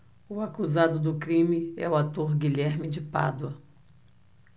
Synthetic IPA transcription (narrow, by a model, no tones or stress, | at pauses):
ʊakuzad̪ʊd̪ʊkɾĩmɪɛ̰ʊat̪oɾɡiʎɛɾmɪd͡ʒɪpa̰d̪ʊɐ